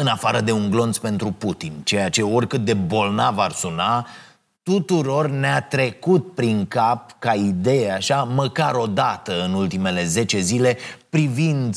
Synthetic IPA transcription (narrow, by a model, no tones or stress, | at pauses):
ɨnafaɾəd̪e̞uŋɡlo̞nt̪spe̞nt̪ɾuput̪int͡ʃe̞jat͡ʃe̞o̞rʲkɨt̪̚d̪e̞bo̞lnavarsuna | t̪ut̪uɾo̞rneat̪ɾe̞kut̪̚pɾiŋkap̚kaid̪e̞jeaʃaməkaɾo̞d̪at̪əɨnult̪ime̞le̞ze̞t͡ʃe̞zile̞pɾivind̪